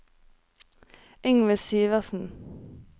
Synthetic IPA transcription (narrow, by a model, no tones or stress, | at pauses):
ɪŋʋəsiːʋəʁsn̩